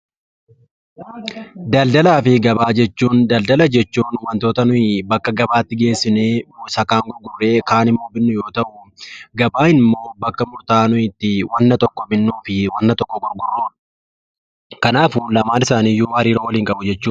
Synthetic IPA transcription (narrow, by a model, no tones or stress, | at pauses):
d̪ɐld̪ɐlaːfɪɡɐbaːd͡ʒɛt͡ʃːuːnd̪ɐld̪ɐlɐd͡ʒɛt͡ʃːuːnwɐnt̪o̞ːt̪ɐnʊɪbɐkːɐɡɐbaːt̪ːɪɡe̞ːsːɪneːsɐkːaːŋɡɔɾɡʊrːe̞ːkaːnɪmːoːbɪnːʊjo̞ːt̪ɐʔʊɡɐbaːɪnmːo̞ːbɐkːɐmʊɾt̪aːnʊɪt̪ːɪwɐnːɐt̪ɔkːɔbɪnːuːfɪwɐnːɐt̪ɔkːɔɡʊɾɡʊɾː | kɐnaːfulɐmaːnɪsaːniːjuːhɐɾiːɾoːwɐliːŋkʼɐbʊd͡ʒɛt͡ʃːuːn